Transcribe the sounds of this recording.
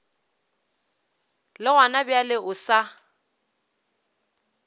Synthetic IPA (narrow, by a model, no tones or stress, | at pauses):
lɪɣwanabjalɪʔʊsa